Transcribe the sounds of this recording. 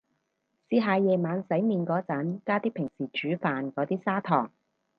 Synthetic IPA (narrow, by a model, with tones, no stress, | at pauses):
siː˨˧ɦaː˨˧jɛː˨˧maː˨˧nsɐ˨˥jmiː˨˧nkɔː˨˥t͡sɐ˨˥nkaː˥t̪iː˥pʰɪ˨˩ŋsiː˨˩t͡ʃyː˨˥faː˨nkɔː˨˧˥t̪iː˥saː˥t̪ʰɔː˨˩ŋ